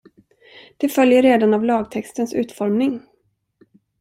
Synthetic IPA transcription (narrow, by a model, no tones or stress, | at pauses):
d̪̥ɛfœljəɾːeːd̪anavlɑːɡt̪ʰɛkst̪ənsʉ̟ːt̪fɔɾmnɪŋ